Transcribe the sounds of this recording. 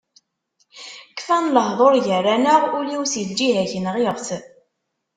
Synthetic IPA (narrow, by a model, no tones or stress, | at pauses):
kːfænləɦðˤoɾʝərːænəʁuliwsild͡ʒiɦæçənəʁjəʁθ